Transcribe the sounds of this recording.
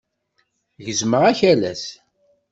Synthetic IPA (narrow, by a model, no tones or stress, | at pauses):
ʝəzməʁæçælæ̰s